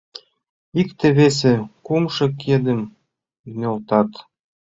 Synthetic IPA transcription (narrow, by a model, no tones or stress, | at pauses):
ikt̪ĕβes̬ekumʃɤ̆kːed̪ə̆m | nʲolt̪ɑt̪